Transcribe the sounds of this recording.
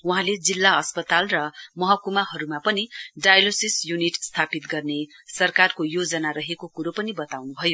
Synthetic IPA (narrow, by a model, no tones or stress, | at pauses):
uɦãled͡zilːaʌspʌt̪alrʌmʌɦʌkumaɦʌɾumapʌniɖajlosisjuniʈst̪ʰapit̪ɡʌrnesʌrkarkojod͡zʌnaɾʌɦekokuɾopʌnibʌt̪awnubʱʌjo